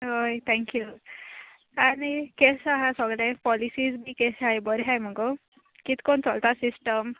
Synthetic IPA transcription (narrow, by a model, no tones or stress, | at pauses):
ɦojt̪ʰɛ̃ŋkju | anikesaɦãsəɡlãjpɔlisiːd͡zbʱiːkesɦajbəɾɦajm̤əɡo | kit̪kont͡sɔlt̪asisʈəm